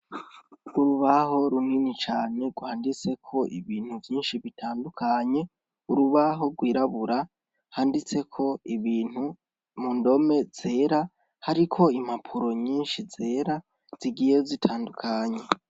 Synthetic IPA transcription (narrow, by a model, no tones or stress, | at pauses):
uɾuβaɦo̞ɾuninit͡ʃaːɲe̞ɡwaːndit͡se̞kʰo̞ʔiβiːn̥huvjiːnʃiβitʰaːndukʰaɲe̞ | uɾuβaɦo̞ɡwiːɾaβuɾa | haːndit͡se̞kʰo̞iβiːn̥hu | mundo̞me̞z̥e̞ːɾa | haɾikʰo̞imapʰuɾo̞ɲiːnʃize̞ːɾa | z̥iɡijezitʰaːndukʰaɲe̞